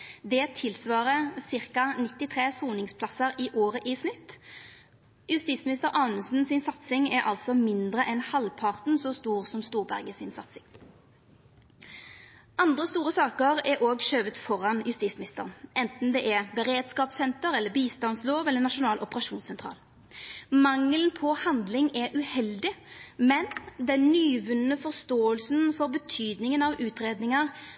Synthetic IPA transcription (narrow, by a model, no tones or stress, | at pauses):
d̪ɛt̪ʰɪlsʋɑːʁəsɪʁkɑnɪt̪ːɪt̪ʰʁeːsuːnɪŋspʰlɑsəʁɪʔoːʁəʔɪsnɪt̪ː | jʉst̪iːsmɪnɪst̪əɾʔɑʊnəsn̩sɪnsɑt̪sɪŋɛɾʔɑ̰lt̪sɔmɪnd̪ʁəʔɛnhɑlpʰɑʁt̪nsɔst̪uːʁsɔmst̪uːʁbæʁɡəsɪnsɑt̪sɪŋ | ʔɑnd̪ʁəst̪uːʁəsɑːkəʁɛɾʔoːɡʃøːʋət̪fɔʁɑnjʉst̪iːsmɪnɪst̪əʁnʔɛnt̪n̩d̪ɛʔɛbəʁeːd̪skɑːpsɛnt̪əɾɛlːəbiːst̪ɑnsloːʋɛlənɑʂʊnɑːlʔɔpəʁɑʂuːnsɛnt̪ʰʁɑ̰ːl | mɑŋːlnpʰɔhɑnd̪lɪŋɛʉhɛld̪ɪmɛnd̪ɛnːyːʋʉnnəfɔʁst̪oːəlsnfɔʁbət̪ʰyːd̪nɪŋənɑʋʉːt̪ʁeːd̪nɪŋəʁ